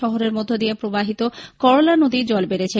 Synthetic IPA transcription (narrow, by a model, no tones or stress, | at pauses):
ɔɦoɾeɾmod̪ʱːod̪ijepɾobaɦit̪okɔɾolanod̪id͡ʑɔlbeɾet͡ɕʰe